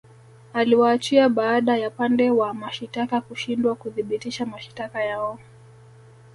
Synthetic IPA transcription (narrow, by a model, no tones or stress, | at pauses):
aliwaːt͡ʃiaɓaːɗajapandɛwamaʃitakakuʃindwakuðiɓitiʃamaʃi̥takajaɔ